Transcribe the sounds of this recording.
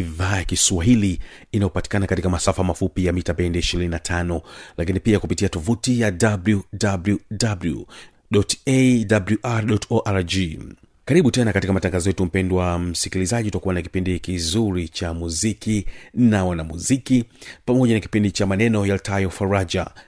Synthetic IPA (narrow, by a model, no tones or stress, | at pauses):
iðaːjakiswaɦiliinaɔpati̥kanakatikamasafamafupijamitapɛɛndɛiʃiɾininatʰanɔlakinipiakupitiatɔfutijadabljudabljudabljṵ | ɗɔtedabluʔaɾɗɔtɔʔaɾd͡ʒi | kaɾiɓutɛnakatikamataŋɡazɔjɛtum̩pɛndwam̩sikilizaʄiutakuwanaki̥pindikizuɾit͡ʃamuzikinawanamuzikipamɔʄanaki̥pindit͡ʃamanɛnɔjaltajɔfaɾad͡ʒa̰